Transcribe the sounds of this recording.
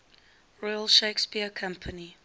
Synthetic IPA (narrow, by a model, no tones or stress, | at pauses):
ɹɔɪəlˠʃeɪkspiəkʰãmpʰəni